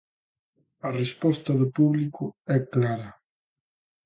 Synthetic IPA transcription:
ɐrespɔst̪ɐðʊpuβlikʊɛklaɾɐ

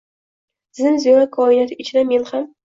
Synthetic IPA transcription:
zɪnzjɾakʰɒɪnat̪ʰɪɪt͡ʃʰɪd̪ame̞nham

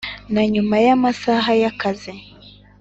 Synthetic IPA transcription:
naɲumajamasaɦajakazi

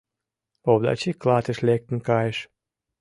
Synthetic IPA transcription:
obd̪a̰t͡ɕiklat̪əʃlek̚t̪nkɑjʃ

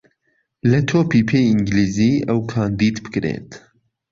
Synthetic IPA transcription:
lɐt̪ʰoːpipʰeːjiŋɡliːziːʔɐwkʰaːnd̪iːd̪bɨ̥kɾḛːt̪

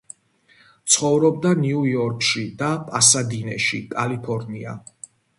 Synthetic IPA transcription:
t̪sʰχɔvɾɔb̚d̪aniujɔɾkʼʰʃid̪apʼasad̪inɛ̰ʃikʼalipʰɔɾnia̰

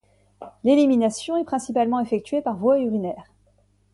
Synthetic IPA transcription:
leliminasjɔ̃ɛpχɛ̃sipalmɑ̃efɛk̚t̪ɥepaʁvwayʁinɛːʁ

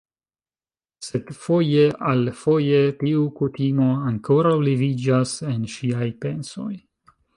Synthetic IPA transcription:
se̞dfo̞jeʔalfo̞je̞tiukutimo̞aŋko̞ɾawlivid͡ʒase̞nʃiajpe̞nso̞̰j

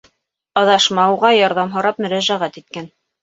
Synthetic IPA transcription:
ɑðɑʃmɑwʁɑjɑɾðɑmɦɤ̆ɾɑpmɵ̆ɾæʒæʁæt̪it̪̚kæn

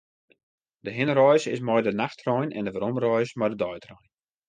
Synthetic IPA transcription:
dəɦɪnrɔjsɪsmɔjdənaxtrɔjnɛ̰ndəʋaɾomrɔjsmɔjdədɔjtrɔjn

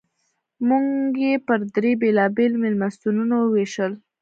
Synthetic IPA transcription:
muŋɡɡjepəɾd̪ɾebelɑbelmɪlmast̪ununawəweʃəl

